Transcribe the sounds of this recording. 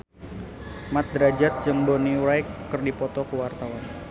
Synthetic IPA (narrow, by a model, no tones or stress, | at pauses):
mat̪̚d̪ɾad͡ʒat̪̚t͡ʃəmboniwɾajkːərdipɔt̪ɔkəwart̪awan